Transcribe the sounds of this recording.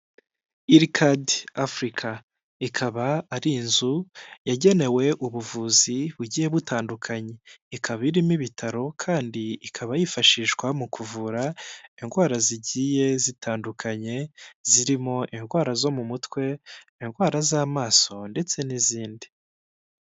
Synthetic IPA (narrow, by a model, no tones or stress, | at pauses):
iɾikʰadafɾikʰa | ikʰaβaaɾinzujaɟe̞ne̞we̞ʔuβuvuːziβuɟije̞βutaːndukʰaɲe̞ikʰaβiɾimiβitʰaɾo̞kʰaːndiikʰaβajifaʃiːʃɡwamukʰuvuːɾaiŋɡwaːɾaziɟiːje̞zitʰaːndukʰaɲe̞ziɾimo̞ʔinɡwaːɾazo̞mumutwe̞ | inɡwaːɾazaːmaːso̞nde̞t͡se̞niziːndi̥